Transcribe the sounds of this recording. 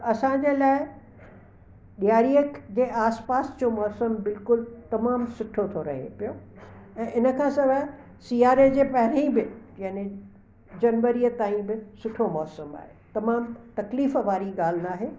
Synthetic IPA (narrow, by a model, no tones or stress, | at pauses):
ɐsãd͡ʑeːlaːɪ | ɗijaːɾijəkd͡ʑeːʔaːspaːsd͡ʑomɔːsəmbɪlkʊlt̪ɐmaːmsʊʈʰot̪ʰoɾɐ̰ɦḛpijoɛ̃ːʔɪnə̆kʰãsɐbʱə | siːaːɾed͡ʑeːpɐɦɪɾĩbɪd͡ʑaːne | d͡ʑɐnʋəɾijət̪aːĩbɪsʊʈʰomɔːsəma̰ːɦet̪ɐmaːmt̪ɐkliːfʋaːɾiɠaːl̤ɪnaːɦeː